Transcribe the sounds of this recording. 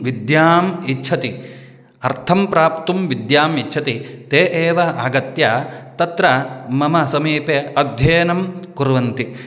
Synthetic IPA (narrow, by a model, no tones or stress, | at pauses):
ʋid̪jaːmitːt͡ʃʰɐt̪i | ɐɾt̪ʰɐmpɾaːpt̪umʋid̪jaːmitːt͡ʃʰɐt̪it̪eːʔeːʋɐaːɡɐt̪jaːt̪ɐt̪ɾɐmɐmɐsɐmiːpeɐd̪ʱjeːnɐmkuɾʋɐnt̪i